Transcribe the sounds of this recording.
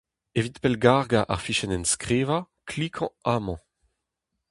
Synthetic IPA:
evit̪pɛlɡaʁɡaʔa̰ʁfiʃɛnɛnskʁeːva | kʰlikʰɑ̃amɑ̃

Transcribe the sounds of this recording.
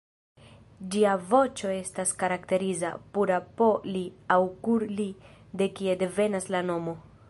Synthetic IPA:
d͡ʒiavo̞t͡ʃo̞e̞staskaɾakte̞ɾiza̰puɾapo̞liawkuɾlide̞kie̞de̞ve̞naslano̞mo̞

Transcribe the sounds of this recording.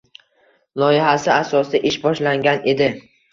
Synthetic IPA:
lˠɒjɪɦasɪasɒsɪʔɪʃbɒʃlaŋɡʲane̞d̪ɪ

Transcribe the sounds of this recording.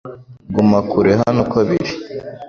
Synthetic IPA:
ɡumakuɾeɦanokwaβiɾi̥

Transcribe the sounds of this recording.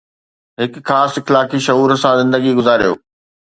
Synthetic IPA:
ɦɪkxaːsɪxlaːkiʃɐɦuːɾsãzɪ̃nd̪əɡiɡʊzaːɾijo̰ː

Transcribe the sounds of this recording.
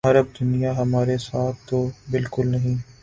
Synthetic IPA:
ɐɾəb̚d̪ʊnijaɦɐmaːɾesaːt̪ʰt̪obɪlkʊlnɐɦĩː

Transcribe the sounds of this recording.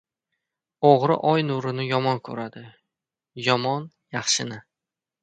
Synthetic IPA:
oʁɾɪ̰ʔɒjnuɾɪnɪjɒmɒnkʰɵɾad̪ɪ | jɒmɒn | jɑχʃɪnɪ

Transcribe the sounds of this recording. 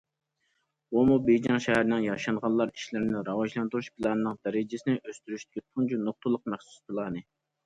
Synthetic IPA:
omubejd͡ʒɑŋʃɛhæɾnɪŋjɑʃɑɴʁɑnlˠɑɾi̥ʃlɪɾnɪɾɑwɑʒlˠɑnt̪uɾuʃpʰɨlˠɑnɨnɨŋd̪ɛɾɪd͡ʒɪsɪnɪʔøst̪yɾyʃt̪ɪ̥kʲʰit̪ʰuŋd͡ʒunoχ̚t̪ʰʊlˠːəq̚mæχsu̥spʰɨlˠɑːnɨ

